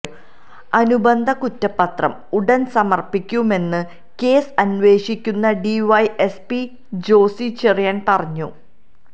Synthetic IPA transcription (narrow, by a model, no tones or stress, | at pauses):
ɐnubɐnd̪ʱɐkutːɐpːɐt̪rɐ̰muɽɐnsɐmɐrpikʲːume̞nːɨ | ke̞ːsɐnʋe̞ːʂikʲːunːɐɖiʋɐjespi | d͡ʑo̞ːsit͡ɕerijaːnpɐrɐɲːu